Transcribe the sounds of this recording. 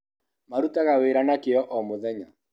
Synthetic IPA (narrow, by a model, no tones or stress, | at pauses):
maɾutaɣaweːɾanakeɔʔɔmoðɛɲa